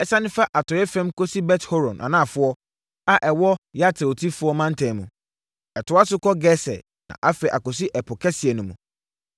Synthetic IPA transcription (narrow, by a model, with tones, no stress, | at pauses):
ɛ˨sã˦nɪ̃˦fa˦ʔa˨tʰɔ˨ɛ˦fɛ̃˦mkɔ˦si˦bɛ˦tho˦ɾɔ̰̃˨nʔa̰˨nã˦˨fʊ˦ɔ˦ | a˦ʔɛ˨wɔ˦ja˦tʰɛ˨o˨tʰi˦fʊ˦ɔ˦mã˦n̩˦tʰɛ̃˨mũ˨ | ɛ˨tʰʊ˨˦a˦sʊ˦kɔ˦ɡɛ˦sɛ̰˨ | nã̰˨ʔa˦fɛ˨ʔa˨kɔ˨s̬i˦ʔɛ˨pʰʊ˨kʰɛ˦sɪ˨ɛ˨nũ˨mũ˨